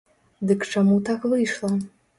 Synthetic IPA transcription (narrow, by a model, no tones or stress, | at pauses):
d̪ɨkt͡ʂamut̪akvɨjʂlˠɐ